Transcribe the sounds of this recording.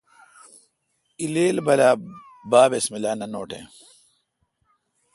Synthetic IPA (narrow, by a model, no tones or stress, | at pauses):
ileːlbɐlaː | baːbesmilaːnɐnoːʈḛ̃